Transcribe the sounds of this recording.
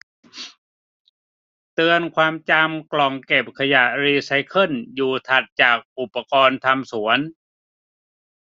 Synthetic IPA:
t̪ɯ˧ənkʰwaː˧mt͡ɕa˧mklɔ˨˩ŋke˨˩p̚kʰa˧ja˨˩ɾiː˧sa˧˥jkʰɤ˧˥˩njuː˨˩t̪ʰa˨˩t̪̚t͡ɕaː˨˩k̚ʔu˨˩pːa˧kɔː˧nt̪ʰa˧msu˩˦ən

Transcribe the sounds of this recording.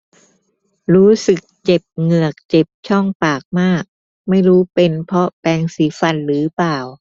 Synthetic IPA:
ɾuː˦˥sɯ˨˩k̚t͡ɕe˨˩p̚ŋɯ˨˩ɐək̚t͡ɕe˨˩p̚t͡ɕʰɔ˥˩ŋpaː˨˩k̚maː˥˩k̚ | ma˥˩jɾuː˦˥pe˧npʰɔ˦˥pɛː˧ŋsiː˩˦fa˨˩nɾɯː˩˦paː˨˩w

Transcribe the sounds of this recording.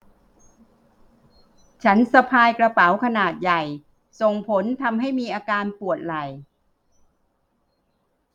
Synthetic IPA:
t͡ɕʰa˦˥nsa˧pʰaː˧jkɾa˧pa˩˦wkʰa˧naː˨˩t̪̚ja˨˩j | so˨˩ŋpʰo˩˦nt̪ʰa˧mɦa˥˩jmiː˧ʔaː˧kaː˧npu˨˩ət̪̚la˨˩j

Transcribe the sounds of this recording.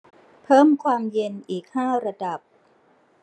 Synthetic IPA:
pʰɤː˥˩mkʰwaː˧mje˧nʔiː˨˩k̚haː˥˩ɾa˧da˨˩p̚

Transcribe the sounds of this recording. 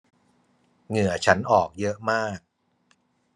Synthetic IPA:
ŋɯ˨˩ɐt͡ɕʰa˦˥nʔɔː˨˩k̚jɤ˦˥ʔmaː˥˩k̚

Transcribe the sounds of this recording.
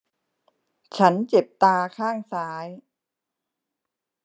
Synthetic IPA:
t͡ɕʰa˦˥nt͡ɕe˨˩p̚t̪aː˧kʰaː˥˩ŋsaː˦˥j

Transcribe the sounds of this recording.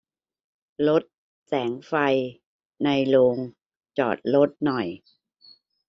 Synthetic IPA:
lo˦˥t̪̚ | sɛː˩˦ŋfa˧j | na˧jloː˧ŋ | t͡ɕɔ̰ː˨˩t̪̚lo˦˥t̪̚nɔ˨˩j

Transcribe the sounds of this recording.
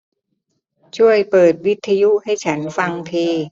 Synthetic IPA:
t͡ɕʰu˥˩əjpɤː˨˩t̪̚wi˦˥t̪ʰːa˧ju˦˥ʔha˥˩jt͡ɕʰa˦˥nfa˧ŋt̪ʰeː˧

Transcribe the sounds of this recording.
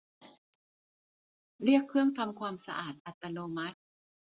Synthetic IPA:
ɾi˥˩əkʰːɯ˥˩əŋt̪ʰa˧mkʰwaː˧msa˧ʔaː˨˩t̪̚ʔa˨˩t̪ːa˧noː˧ma˦˥t̪̚

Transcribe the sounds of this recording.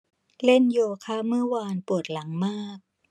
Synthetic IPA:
le˥˩njoː˧kʰaː˥˩mɯ˥˩əwaː˧npu˨˩ət̪̚la˩˦ŋmaː˥˩k̚

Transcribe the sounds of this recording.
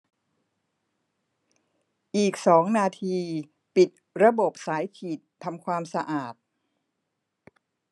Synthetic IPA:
ʔiː˨˩k̚sɔː˩˦ŋnaː˧t̪ʰiː˧ | pi˨˩t̪̚ɾa˧bo˨˩p̚saː˩˦jkʰiː˨˩t̪ʰːa˧mkʰwaː˧msa˧ʔaː˨˩t̪̚

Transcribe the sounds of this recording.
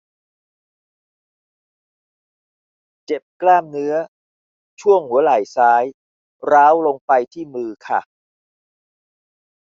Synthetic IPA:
t͡ɕe˨˩p̚klaː˥˩mnɯ˦˥ɐ | t͡ɕʰu˥˩əŋhu˩˦ɐlaː˨˩jsaː˦˥j | ɾaː˦˥wlo˧ŋpa˧jt̪ʰiː˥˩mɯː˧kʰa̰˥˩

